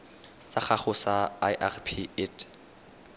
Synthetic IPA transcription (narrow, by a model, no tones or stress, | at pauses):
saχaχʊsaajʔarpʰietʰ